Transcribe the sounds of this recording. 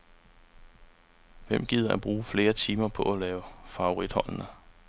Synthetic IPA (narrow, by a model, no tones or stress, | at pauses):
ʋem̰ɡ̥iðˠɐʔæb̥ʁuːfle̝ːɐt͡sʰiːmɐpʰɒ̽ælɛːʊfɑ̈o̝ʁid̥hɒ̽l̰nə